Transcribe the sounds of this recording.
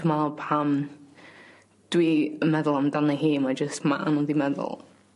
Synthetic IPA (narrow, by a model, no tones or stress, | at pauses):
mapʰam | d̥wiəmɛðəlˠamdanəɦiːmad͡ʒəstma̰ʔnɔdimɛðə̰lˠ